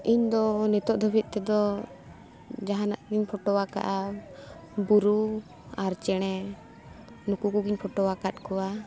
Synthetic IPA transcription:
iɲd̪ɔnɛt̪ɔʔd̪ʱɔbʱit̪̚ˀt̪ɛd̪ɔ | d͡ʒaɦanaʔɡiɲpʰɔʈɔwaka̰ʔa | buɾu | aɾt͡ʃɛɽ̃ɛ | nukukuɡiɲpʰɔʈɔwakat̪̚ˀkɔwa

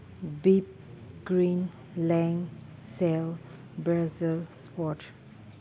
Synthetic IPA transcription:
bip̚ | ɡɾĩn | lɛ̃ŋ | sɛl | bɾazilspɔʈ

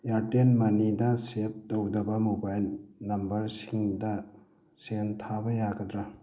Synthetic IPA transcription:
jaɾtenmɐnidɐsep̚towdɐbɐmobajlnɐmbɐɾsiŋdɐ | sentʰabɐjaɡɐdɾɐ

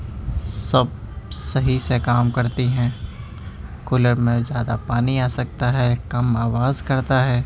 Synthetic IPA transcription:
sɐb̚sɐɦisekaːmkɐɾt̪iɦɛ̃ː | kʊləɾmẽzjaːd̪apaːniaːsɐk̚t̪aɦɛkɐmaːʋaːzkɐɾt̪aɦɛː

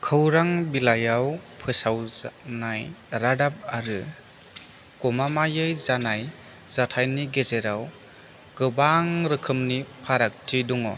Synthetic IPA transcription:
kʰɯwɾaŋbilajawpʰɯsawznajɾadap̚aɾɯ | kɔmamajɯjzanaj | zatʰajniɡezeɾaw | ɡ̥ɯbaŋɾɯkʰɯmnipʰaɾak̚tʰiduŋɔ̰

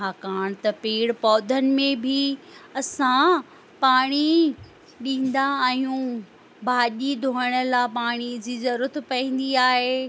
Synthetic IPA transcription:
ɦakaːɽ̃t̪ɐpeːɽpɔːd̪ʱənɪ̆mẽbʱɪɐsã | paːɽ̃i | ɗĩːn̆d̪aːɦijũ | bʱaːʄid̪ʱoːɽ̃ə̆lapaːɽ̃id͡ʑiːzɐɾuːɾət̪pɐĩːn̆d̪iaːɦeː

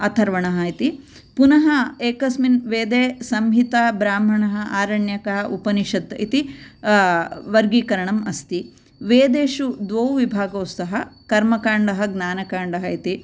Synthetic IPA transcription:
ɐt̪ʰɐɾʋɐɳɐɦɐit̪i | punɐɦɐeːkɐsminʋeːd̪eːsɐmɦit̪abɾaːm̤ɐɳɐɦɐʔaːɾɐɳjɐkɐɦɐʔupɐniʃɐd̪it̪i | ʋɐɾɡiːkɐɾɐɳɐmɐst̪i | ʋeːd̪eːʃud̪ʋowʋibʱaːɡoːst̪ɐɦɐkɐɾmɐkaːɳɖɐɦɐɡnaːnɐkaːɳɖɐɦɐit̪i

